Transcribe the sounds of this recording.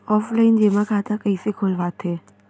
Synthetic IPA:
ɔːflaɪnd͡ʒemãkʰaːt̪akəisekʰolʋaːt̪ʰeː

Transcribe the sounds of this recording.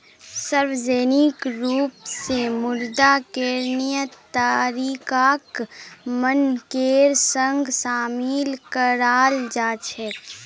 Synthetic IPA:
səɾʋzeːnɪkɾuːpsemʊɾd̪akeːɾnɪjət̪aɾiːkaːkmənkeːɾsə̃ŋɡsaːmiːlkəɾaːld͡ʒaːt͡ʃʰɛ

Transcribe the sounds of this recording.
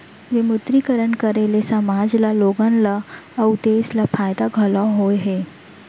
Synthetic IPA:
jemʊt̪ɾikəɾənkəɾelesɐmaːd͡ʒlaloːɡənlaːwt̪eːslapʰaːjd̪aɡʱɐlãɦoːeɦeː

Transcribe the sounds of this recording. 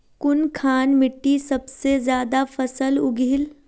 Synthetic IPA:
kʊnkʰaːnmɪʈːisɐbsezjaːd̪afɐsəlʊɡʱiɪl

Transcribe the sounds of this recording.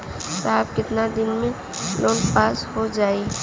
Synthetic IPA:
sab̚kɪt̪nad̪ɪnmẽ | loːnpaːshod͡ʒaːi

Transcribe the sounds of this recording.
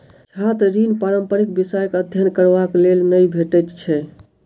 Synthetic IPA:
sʰat̪ɾinpaɾəmpəɾik̚bisajkəd̪ʱjənkəɾbaklelnəjbʱeʈɛt̪t͡ʃʰɛ

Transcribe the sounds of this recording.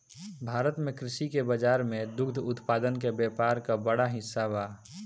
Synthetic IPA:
bʱaːɾət̪mẽkɾɪʃikebəd͡ʒaːɾmẽd̪ʊkd̪ʱʊt̪paːd̪ənkebjɛːpaːɾkabəɽaɦɪsːaβaː

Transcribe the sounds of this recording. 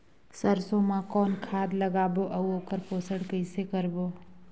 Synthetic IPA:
səɾsomãkɔːnkʰaːd̪ləɡaːboːʔɐuoːkəɾpoːsəɽkəɪsekəɾboː

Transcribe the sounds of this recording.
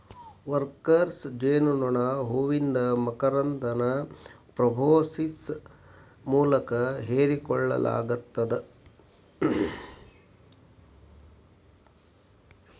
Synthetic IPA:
ʋɐɾkɐɾsd͡ʒeːnunuɳɐɦoʋind̪ɐmɐkɐɾɐnd̪ɐnɐpɾɐbʱoːsis | muːlɐkɐɦeːɾikɔɭːɐ̰la̰ːɡut̪ːɐd̪e

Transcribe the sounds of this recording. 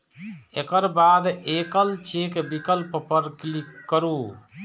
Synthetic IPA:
ekəɾbaːd̪ekəlt͡ʃekbikəlppəɾklikːəɾuː

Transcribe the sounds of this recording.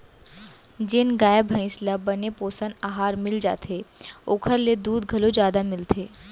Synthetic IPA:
d͡ʒɪnɡaːjəbʱɐ̃ɪ̃slabɐnepoːsənaːɦaːɾmɪld͡ʒa̰ːt̪ʰeoːkʰəɾled̪uːd̪̚ɡʱɐlod͡ʒjaːd̪amɪlt̪ʰeː

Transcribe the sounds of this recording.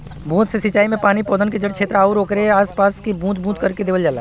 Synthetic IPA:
bʱũːt̪sesɪt͡ʃaːimẽpaːnipoːd̪ənked͡ʒəɽt͡ʃʰeːt̪ɾaːuɾoːkɾeaːspaːskibʱũːt̪̚bʱũːt̪kɐɾked̪eːʋəld͡ʒaːla̰ː

